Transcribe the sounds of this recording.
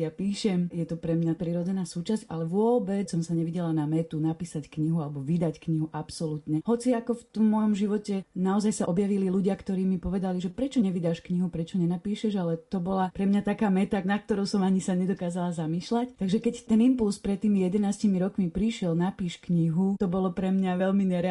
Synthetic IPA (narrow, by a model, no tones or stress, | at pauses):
japiːʃɛmjɛt̪ɔpɾɛmɲapɾiːɾɔd͡zɛnaːsuːt͡ʃasca̰lɛʋʊɔbɛsɔmsaɲɛʋiɟɛlanamɛt̪unapiːsackɲiɦualɛbɔʋid̪ackɲiɦuʔapsɔlut̪ɲɛɦɔt͡siakɔft̪ɔmːɔjɔmʒiʋɔcɛnaɔzajsaʔɔbjaʋililuɟɪakt̪ɔɾiːmipɔʋɛd̪aliʒɛpɾɛt͡ʃɔɲɛʋid̪aːʃkɲiɦupɾɛt͡ʃɔɲɛnapiːʃɛʒalɛt̪ɔbɔlapɾɛmɲat̪akaːmɛt̪anak̚t̪ɔɾɔʊsɔmaɲisaɲɛd̪ɔkaːzalazamiːʃlact̪aɡʒɛkɛct̪ɛnimpulspɾɛt̪ːiːmijɛd̪ɛnaːscimiɾɔkmipɾiʃɪɛlnapiːʃkɲiɦut̪ɔbɔlɔpɾɛmɲaʋɛlmiɲɛɾɛ